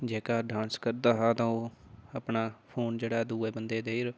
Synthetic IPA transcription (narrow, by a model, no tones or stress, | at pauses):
d͡ʒeːkaːɖãːnskəɾd̪aːɦaːt̪ãːoːəpɳaːpʰoːnd͡ʒeːɽaːd̪uːeːbənd̪eːd̪eːiɾ